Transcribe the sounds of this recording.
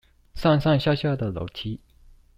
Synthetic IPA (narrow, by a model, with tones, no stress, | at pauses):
sa˥˧nsa˥˧nɕja˥˧ɕja˥˩d̪ə˨lo̰˨˩ʊt͡ɕʰi˥